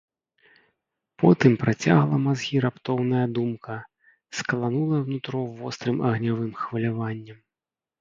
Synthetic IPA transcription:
pɔt̪ɨmpɾʔat͡sʲa̰ɣlˠɐmazɣʲiɾapt̪ɔwnɐjɐd̪umkʰɐ | skɐlˠanulˠɐjwnut̪ɾɔvɔst̪ɾɨmʔɐɣnʲavɨmxvɐlʲavanʲːɐm

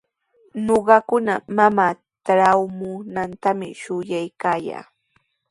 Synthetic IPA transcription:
noɢɑkʊnamamaː | t̪ɾawmʊnant̪amɪ̰ʃʊjajkaːja̰ː

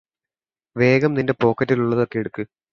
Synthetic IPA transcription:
ʋe̞ːɡɐmninde̞po̞ːkːɐtːiluɭːɐðo̞kːeeɽukːɨ

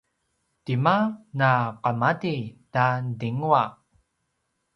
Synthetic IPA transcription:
timanaqamadidandiŋua

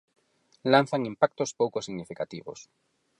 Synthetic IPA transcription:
lan̟θaŋimpak̚t̪ospowkosiɣnifikat̪iβo̰s

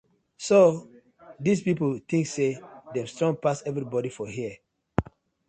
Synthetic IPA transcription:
so | dispiplt̪ĩŋksedɛ̃mstɹɔ̃ŋpasɛvɹibɔɾifɔɦiə

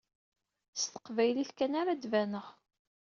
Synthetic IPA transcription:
st̪ə̥qvæjliθkænaɾad̪vænəʁ

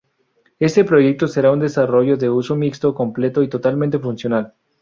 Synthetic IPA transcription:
e̞st̪e̞pɾo̞ʝe̞k̚t̪o̞se̞ɾaund̪e̞saro̞ʝo̞ðe̞uso̞mikst̪o̞ko̞mple̞t̪o̞it̪o̞t̪almẽnt̪e̞funsjo̞nal

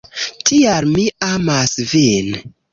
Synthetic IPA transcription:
tʰialmiamasvin

